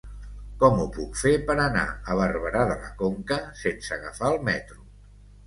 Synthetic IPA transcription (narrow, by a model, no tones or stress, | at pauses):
kɔmupukfepəɾəna̰əβ̞ərβəɾaðələkoŋkəsensəɣəfaəlˠmɛt̪ɾu